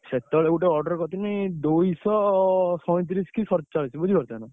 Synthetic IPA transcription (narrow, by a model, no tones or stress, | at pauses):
set̪ɔɭeuʈeɔɾɖɔɾkɔt̪imid̪ojsɔsɔ̃t̪̬ɾiskisɔɾt͡ʃaɭsʰibud͡ʒʱikɔɾt̪anu